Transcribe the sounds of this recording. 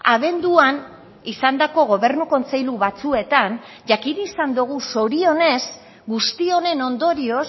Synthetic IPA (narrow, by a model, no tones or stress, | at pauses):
aβ̞e̞nd̪uan | isand̪ako̞ɣ̞o̞βe̞ɾnuko̞nt͡se̞jluβat͡sue̞t̪an | ʝakiɾiːsand̪uɣ̞uso̞ɾio̞ne̞z | ɡust̪io̞ne̞no̞nd̪o̞ɾio̞s